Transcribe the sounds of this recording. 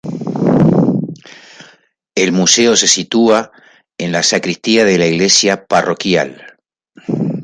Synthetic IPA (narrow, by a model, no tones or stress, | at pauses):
e̞lmuseo̞se̞sit̪ua | e̞nlasakɾist̪iaðe̞laiɣle̞sjaparo̞kja̰l